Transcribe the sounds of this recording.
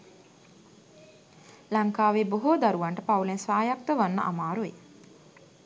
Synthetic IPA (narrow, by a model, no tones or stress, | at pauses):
laŋkaːʋeːboɦod̪aɾuʋaɳʈəpaulensʋaːjak̚t̪əʋanːə̰ʔa̰maːɾue